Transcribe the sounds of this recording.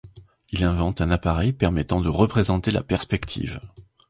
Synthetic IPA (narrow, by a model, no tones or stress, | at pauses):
ilɛ̃vɑ̃t̪ɛ̃napaʁɛjpɛʁmɛt̪ɑ̃d̪əʁəpχezɑ̃t̪ela̰pɛʁspɛkt̪ʰḭv